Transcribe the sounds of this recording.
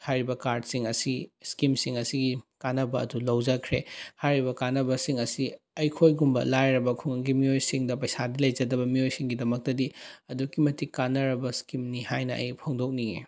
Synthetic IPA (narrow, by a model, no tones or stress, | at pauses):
hajɾibɐkaɾd̚siŋɐsiskimsiŋɐsiɡikanɐbɐɐ̰dulɐwd͡ʒɐkʰɾehajɾibɐkanɐbɐsiŋɐsi | ɐjkʰojɡumbɐ̰lajɾɐbɐkʰuŋɐɡimiojsiŋdɐpɐjsadilɐjd͡ʒɐdɐbɐmiojsiŋɡidɐmɐk̚tɐdiɐdukːimɐtikanːɐɾɐbɐskimnihajnɐɐ̰jpʰɐŋdok̚nie